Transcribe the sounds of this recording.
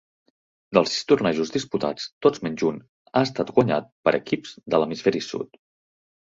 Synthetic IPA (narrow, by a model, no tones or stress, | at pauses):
d̪əlˠsi̥st̪urnaʒuzðisput̪a̰t͡st̪od͡zmɛɲʲd͡ʒun | aəst̪at̪ɡwəɲa̰t̪̚pəɾʔəkipz̥d̪ələmisfɛɾisṵt̪